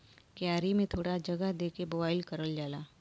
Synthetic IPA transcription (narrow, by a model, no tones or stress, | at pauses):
kjaːɾimẽt̪ʰoːɽad͡ʒɐɡəɦd̪eːkemoːbaːɪlkɐɾəld͡ʒaːlaː